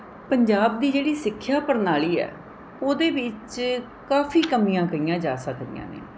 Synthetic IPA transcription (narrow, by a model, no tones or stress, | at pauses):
pəɲd͡ʒaːb̚d̪iːd͡ʒeːɽiːsɪkʰːjaːpəɾnaːɭiːɛ̰ː | oːd̪eːbɪt͡ʃ | kaːfʰiːkəmijãːkəiːjãːd͡ʒaːsəkd̪ɪ̰jã̰ːnḛː